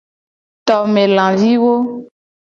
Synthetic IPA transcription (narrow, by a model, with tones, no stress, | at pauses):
t̪ɔ˨me˨lã˨vi˦wo˦